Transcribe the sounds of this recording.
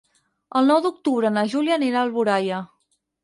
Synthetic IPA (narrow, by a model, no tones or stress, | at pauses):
əlˠnɔwd̪uk̚t̪uβɾənəʒuljəniɾaːlˠβuɾajə